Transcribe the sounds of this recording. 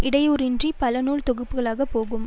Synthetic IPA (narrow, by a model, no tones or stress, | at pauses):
ɪɽɐjoːɾɪndripɐlɐnuːlt̪ɔɣɯpːɯɣɐɭaːɣɐpːoːɣɯm